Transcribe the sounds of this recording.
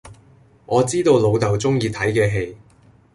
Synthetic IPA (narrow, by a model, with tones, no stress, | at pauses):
ŋʔɔː˨˧t͡siː˥t̪o˧wlo˨˧wt̪ɐ˨wt͡sʊ˥ŋjiː˧t̪ʰɐ˨˥jkɛː˧ɦe˧j